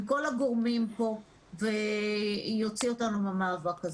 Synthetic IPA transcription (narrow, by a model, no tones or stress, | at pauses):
ko̞laɡoʁmimpo̞ | ve̞ | jo̞t͡sio̞tanumamaːvakaz